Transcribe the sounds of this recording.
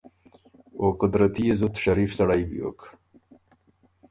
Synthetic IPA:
okʊd̪ɾat̪iezut̪ʃaɾiːfsɐɽajbḭo̰k

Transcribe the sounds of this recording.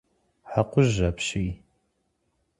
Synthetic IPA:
ħaqʷʊʒɐpɕiː

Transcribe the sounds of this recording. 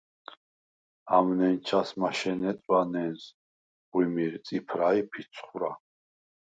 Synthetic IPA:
amnɛnt͡ʃʰasmaʃɛnɛt͡s̪ʼwanɛns | ʁwimiɾt͡s̪ʼipʰɾaipʰisʰχuɾa

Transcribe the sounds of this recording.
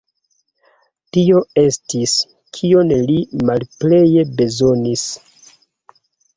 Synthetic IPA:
tio̞e̞stis | kʰio̞nlimalple̞je̞be̞zo̞nis

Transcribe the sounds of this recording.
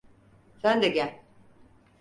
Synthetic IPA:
sænd̪ɛɟælʲ

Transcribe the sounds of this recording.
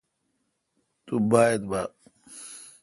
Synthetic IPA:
t̪ubaːjed̪ba

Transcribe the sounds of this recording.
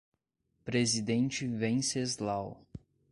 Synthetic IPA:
pɾezid̪ẽnt͡ʃɪvẽsezlaw

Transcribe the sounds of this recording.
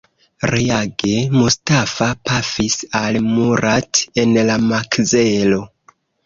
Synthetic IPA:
ɾeaɡe̞mustafapafisalmuɾate̞nlamakzelo

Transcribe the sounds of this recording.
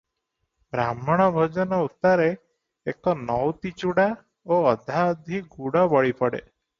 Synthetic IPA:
bɾamɔɽ̃ɔbʱod͡ʒɔnɔut̪aɾe | ekɔnɔwt̪it͡ʃuɽa | oɔd̪ʱaɔd̪ʱiɡuɽɔbɔɭipɔɽḛ

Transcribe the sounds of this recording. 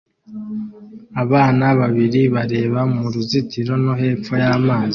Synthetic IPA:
aβaːnaβaβiɾiβaɾe̞ːβamuɾuzitiɾo̞noɦe̞ːp͡fojaːmaːzi

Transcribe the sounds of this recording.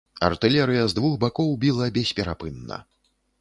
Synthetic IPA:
ɐ̰rt̪ɨlʲɛɾɨjɐzd̪vuxbakɔwbʲilˠɐbʲɛsʲpʲɛɾapɨnːɐ̰

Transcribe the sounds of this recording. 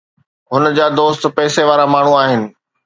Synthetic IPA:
ɦʊnəd͡ʑaːd̪oːst̪̆pɛːseʋaːɾamaːɳ̤uaːɦɪnɪ̆

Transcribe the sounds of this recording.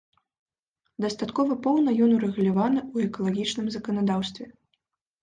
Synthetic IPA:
d̪ɐst̪at̪kɔvɐpɔwnɐjɔnuɾɛɣulʲavanɨuɛkɐlˠaɣʲit͡ʂnɨmzɐkɐnad̪awst̪vʲɛ

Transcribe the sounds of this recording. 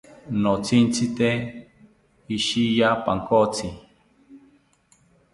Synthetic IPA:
not͡sʰint͡sʰit̪e | iʃijapaŋkot͡sʰi

